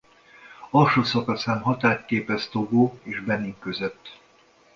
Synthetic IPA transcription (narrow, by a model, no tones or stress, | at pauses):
ɒlʃoːsɒkɒsaːnɦɒt̪aːt̪keːpɛst̪o̞ɡoːeːʒbɛnːiŋkøzøt̪ː